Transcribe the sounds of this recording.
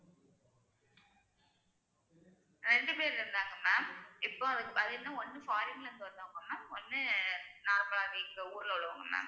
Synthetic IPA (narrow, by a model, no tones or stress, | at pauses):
ɾɛɳɖɯpeːɾɾɯnd̪aːŋɡɐmːaːmɪpːoːɐðɯɐðɯnːãːɔnːɯfaːɾɪŋɡɐlɾɯnd̪ɯʋɐnd̪aːŋɡɐmːaːɔnːɯnaːɾɐpɐɭaːʋɐkːɯuːɾɪlʊɭɯʋa̰ːŋɡɐma̰ːm